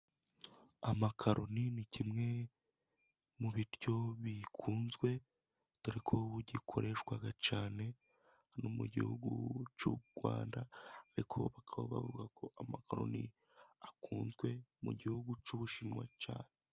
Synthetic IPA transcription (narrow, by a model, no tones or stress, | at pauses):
amakʰaɾoninicʰimŋe̞ | muβiɾjo̞βikʰuːnzɡwe̞ | tuɾikʰoβuɟikʰo̞̰ɾʔe̞ʃkwaɡat͡ʃaːne̞ | nomṵɟḭhuɡṵt͡ʃuɡ̥wa̰ːndaːɾikʰo̞βakʰaβoβa̰vuɡakʰo̞ʔamakaɾo̞̰nḭ | akuːnzɡwe̞mṵɟihuɡut͡ʃuβuʃimŋwa̰t͡ʃa̰ːne